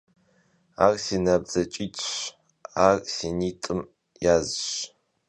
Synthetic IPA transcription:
aːrsiːnɐbz̥ɐt͡ʃʼiːtʰʼɕ | aːrsiːniːtʼɨm | jaːzɕ

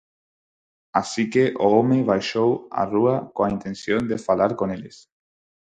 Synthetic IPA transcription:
asikeʔoomeβ̞ajʃowa̰ruakoaint̪ensjond̪efalaɾkoneles

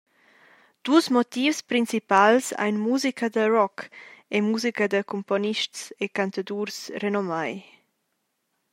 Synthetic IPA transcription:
d̪̥usmɔt̪iːfspɾint͡sipalsa̰jnmuzikʰad̪əɾɔkemuzikad̪əkumpɔniʃtsekant̪ad̪uːɾsrenɔmaj

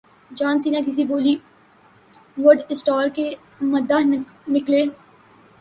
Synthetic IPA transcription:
d͡ʒaːnsiːnakɪs̬iboːli | ʋʊɖɪsʈɔːɾke | mɐd̪aɦ | nɪkleː

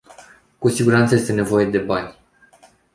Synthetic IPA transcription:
kusiɡuɾant̪səjest̪ene̞vo̞je̞d̪e̞banʲ

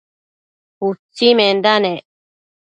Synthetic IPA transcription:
hut͡sːimend̪ane

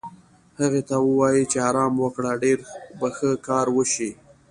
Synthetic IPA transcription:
haɣet̪awəwɑjit͡ʃeɑɾɑmwəkɽaɖeɾbaxəkɑɾwəʃi

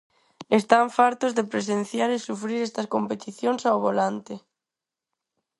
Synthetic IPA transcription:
est̪aɱfaɾt̪ozðepɾesen̟θjaɾesufɾiɾɛst̪ɐskompet̪iθjoŋsaoβ̞olant̪e

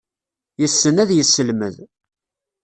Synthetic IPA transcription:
jəsːənæðjəsːəlmə̰ð

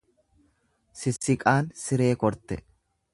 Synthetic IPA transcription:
sɪsɪkʼaːnsɪɾe̞ːkɔɾt̪ɛ

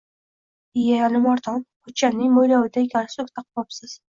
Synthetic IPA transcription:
ɪjalɪmɒɾd̪ɒnqʊt͡ʃːanɪŋmojlawɪd̪aekʲʰanɪsʊkt̪ʰaq̚pɒpsɪz̥

